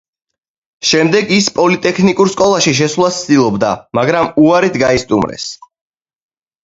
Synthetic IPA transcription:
ʃɛmd̪ɛɡispʼɔlit̪ʼɛkʰnikʼuɾskʼɔlˠaʃiʃ̬ɛsvlˠast̪sʰd̪ilˠɔbd̪a̰maɡɾamuaɾit̪ʰɡaist̪ʼumɾɛ̰s

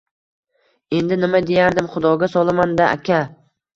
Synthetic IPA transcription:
e̞nd̪ɪnɪmad̪e̞jaɾd̪ɪmχʊd̪ɒɡʲasɒlˠamand̪aʔa̰kʲʰa

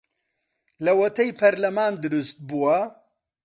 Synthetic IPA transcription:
lɐwɐt̪ʰɐjpʰɐɾlɐmaːnd̪ɨɾust̪̚buwɐ

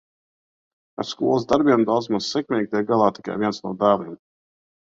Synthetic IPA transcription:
a̰ɾskuɔlˠzd̪aɾbʲiɛmd̪awd̪zmaz̥sɛkmʲɛːɡ̚t̪ijɡalˠaːt̪i̥ka̰jviɛnsnṵːd̪aːviɛm

